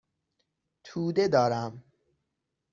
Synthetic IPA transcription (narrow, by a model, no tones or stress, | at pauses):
t̪ʰuːd̪e̞d̪ɒːɾæm